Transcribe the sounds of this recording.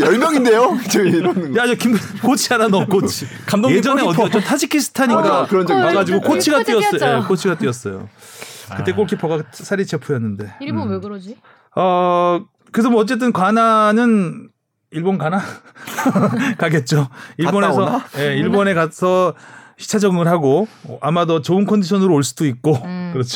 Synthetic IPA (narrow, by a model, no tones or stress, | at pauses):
jʌɭmjʌŋindejot͡ɕɾʌnjaʌkimk͈ot͡ɕʰiaɾanʌk͈ot͡ɕt͡ɕʰi | jed͡ʑʌneʌt͡ɕ͈ʌtʰad͡ʑikʰisʰɯ̥tʰaɲik͈akɯɾʌaɡad͡ʑiɡokot͡ɕʰiɡat͈wiʌs͈ʌekʰot͡ɕʰiɡat͈iʌs͈ʌjo̰kɯt͈e̞k̬͈oɭkʰipʌɡasʰaɾit͡ɕe̞pʰujʌnːɯnde̞ | ʌ | kɯes̬ʰʌmwʌʌt͡ɕ͈e̞t̬͈ɯnkwananɯn | iɭbonkana | kaɡe̞t̚t͡ɕ͈oiɭbonesʰʌje̞iɭbone̞kasʰʌɕʰi̥t͡ɕʰad͡ʑʌŋɯɭɦaɡoʔamadʌt͡ɕoɯnkʰʌndiɕʰʌnɯɾooɭs͈udoik̚k͈okɯɾʌt͡ɕʰ